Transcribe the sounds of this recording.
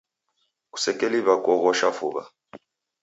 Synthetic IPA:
ku̥sɛkʼeliβakʼɔɣɔʃafuːβa̰

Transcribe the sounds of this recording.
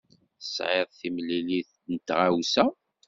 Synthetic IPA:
θəsʕeðˤθimlːiliθ | nt̪ʁawsæ

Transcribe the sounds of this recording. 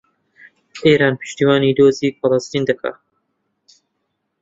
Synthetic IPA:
ʔeːɾaːnpʰɨ̥ʃt̪iwaːniːd̪oːziːfɐlɐst̪iːnd̪ɐkʰa̰

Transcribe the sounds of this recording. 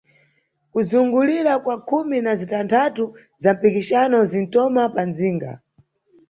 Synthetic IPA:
kuzuŋɡuliɾakwakʰuminazitantʰatu | zam̩pikiʃanɔzin̩tɔmapanziːŋɡa̰

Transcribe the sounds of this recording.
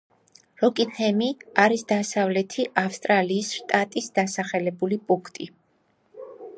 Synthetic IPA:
ɾɔkʼinhɛmiaɾisd̪asavlɛt̪ʰiʔafst̪ʼɾaliːsʃt̪ʼat̪ʼisd̪̥asaχɛlɛbulipʼuŋkʰt̪ʼi

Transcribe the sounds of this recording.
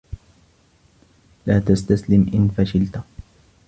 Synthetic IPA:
laːt̪ast̪aslɪmʔɪnfaʃɪlt̪a

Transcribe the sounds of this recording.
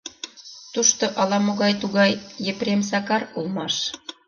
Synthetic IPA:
t̪uʃt̪oʔɑlɑmoɣɑjt̪uɣɑjːepɾʲems̬ɑkɑrulmɑʃ

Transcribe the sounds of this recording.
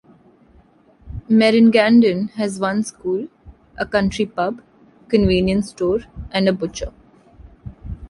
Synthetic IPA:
mɛɾɪ̃nɡæ̃nɖə̃nɦæzʋʌ̃nskuːl | ʔəkʌ̃ɳʈɾipʌb | kə̃nʋĩːnjə̃nsʈoːɾʔɛ̃ɳɖəbʊt͡ʃə̰

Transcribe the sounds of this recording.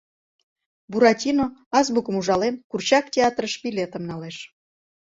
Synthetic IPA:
buɾɑtʲinoɑzbukəmuʒɑlenkurt͡ɕɑktʲeɑt̪rəʃpilʲet̪əmnɑleʃ

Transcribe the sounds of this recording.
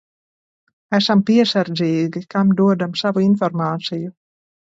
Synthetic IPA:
æsampiɛsaɾziːɡikamd̪uɔd̪amsavuinfɔɾmaːt̪siju

